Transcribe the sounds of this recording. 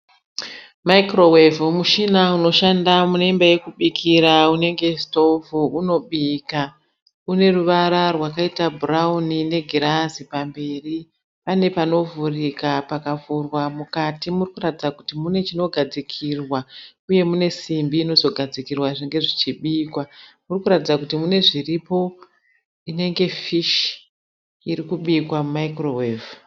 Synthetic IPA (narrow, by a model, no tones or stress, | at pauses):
maikro̞wevmuʃinauno̞ʃandamunembaje̞kuɓikʰiɾaune̞ŋɡe̞sto̞vuuno̞ɓiːka | une̞ruʋaɾarwakaitabʱuraunine̞ɡʱiɾazipambe̞ːri | pane̞pano̞vurikapakavurwamukatimurikuratid͡zakutimune̞t͡ʃino̞ɡʱad͡zikʰirwa | uje̞mune̞simbiːno̞zo̞ɡʱad͡zikirwaʐeŋɡe̞ʐit͡ʃiɓiːkwamurikuɾatid͡zakutimune̞ʐiripo̞ | ine̞ŋɡe̞fiʃ | iɾikuɓikwammaikroweːv